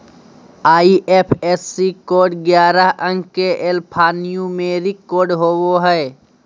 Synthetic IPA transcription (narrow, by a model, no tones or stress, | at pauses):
aːiʔeːpʰeːsikoːɾɖɡjaːɾəɦə̃ŋɡkeʔelpʰaːnijũmẽɾɪkoːɾɖɦoːwoɦəe